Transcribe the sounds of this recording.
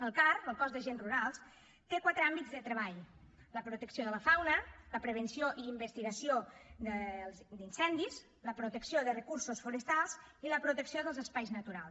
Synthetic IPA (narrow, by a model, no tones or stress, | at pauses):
əlˠkarəlˠkɔzðəʒenruɾalˠs | t̪ekwat̪ɾəambid͡zzðət̪ɾəβaʎ | ləpɾut̪əksioðələfawnələpɾəβ̞ənsioʔiimbəst̪iɣəsiod̪əlˠzd̪insɛnd̪iz | ləpɾut̪əksioðərəkursusfuɾəst̪alˠziləpɾut̪əksioðəlˠzəspajznət̪uɾalˠs